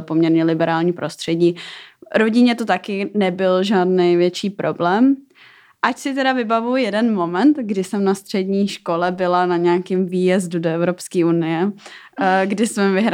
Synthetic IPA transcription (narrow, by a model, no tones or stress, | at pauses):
pomɲɛɾɲɛlɪbɛɾaːlɲiːpɾʔo̞st̪r̝̥ɛɟiːɾo̞ɟɪɲɛt̪o̞t̪akɪnɛbɪlʒaːdnɛjvjɛt͡ʃiːpɾo̞blɛːm | ʔacsɪt̪ɛɾavɪbavujɛdɛnmo̞mɛnt̪ɡdɪsɛmnast̪r̝̥ɛdɲiːʃko̞lɛbɪlanaɲɛakɪmviːjɛzdudoɛvɾo̞pskiːunɪjɛ | ɡdɪsmɛmvɪɦɾa